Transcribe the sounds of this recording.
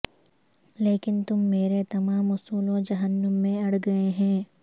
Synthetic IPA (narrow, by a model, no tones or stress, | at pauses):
leːkɪnt̪ʊmːeːɾet̪ɐmaːmʊsuːlõd͡ʒɐɦənːəmːẽɐɽ̤ɡɐeɦɛ̃ː